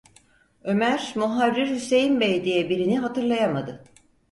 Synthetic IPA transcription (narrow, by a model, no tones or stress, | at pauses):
ø̞mæɾmuɦaɾːiɾhysejimbejd̪ijɛbiɾiniɦat̪ʰɯɾlˠajamad̪ɯ